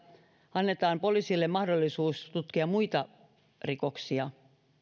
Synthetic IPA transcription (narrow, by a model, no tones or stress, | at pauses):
ɑnːe̞t̪ɑːmpo̞lisilːemɑhdolːisuːst̪ut̪kiɑmuit̪ɑ | riko̞ksiɑ